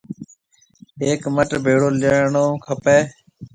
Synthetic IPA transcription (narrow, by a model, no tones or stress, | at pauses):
eːkməʈbʱeːɽoːləɳõːkʰəpeː